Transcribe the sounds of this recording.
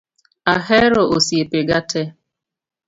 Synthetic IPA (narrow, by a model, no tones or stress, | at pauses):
aɦɛɾoʔosiepeɡatʰɛ